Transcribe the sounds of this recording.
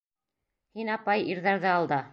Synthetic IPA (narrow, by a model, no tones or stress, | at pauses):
hinɑpɑjiɾðæɾðɘɑlˠd̪ɑ